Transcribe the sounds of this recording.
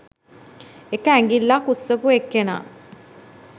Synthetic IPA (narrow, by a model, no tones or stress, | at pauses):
ekəæŋɡilːakusːəpuekːena̰ː